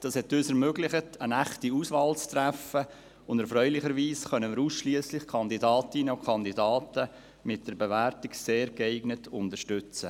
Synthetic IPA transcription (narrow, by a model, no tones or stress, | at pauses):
d̥ɑːshɛtøːsɛɾmøːɡlɪχətənæχtiuːsvɑːlt͡stɾæfə | ʊndɛɾfɾœʏlɪχəɾʋiːsχœnəmɪɾuːsʃliəslɪχkʰɑnd̪idɑːtɪnəukʰɑnd̪idɑːtə | mɪt̚d̥əɾbeʋæɾtikseːɾɡɛɪɡnətʊntəɾʃtʏt͡sə